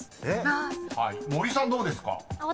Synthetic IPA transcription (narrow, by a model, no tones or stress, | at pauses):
ehaimo̞ɾʲisãnd̪oːd̪esɨ̥ka̰